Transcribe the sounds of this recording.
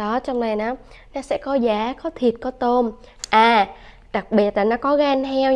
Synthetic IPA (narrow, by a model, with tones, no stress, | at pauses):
ɔ˨˦t͡ɕɔ˧wŋ͡mna˨˩jnɔ˨˦ | nɔ˨˦sɛ̰˧˥kɔ˨˦zaː˨˦kɔ˨˦t̪ʰi˨˩ət̚kɔ˨˦t̪o˧m | ʔaː˨˩ | ɗa˨˩k̚ɓi˨˩ət̚laː˨˩nɔ˨˦kɔ˨˦ɣaː˧nhɛ˧w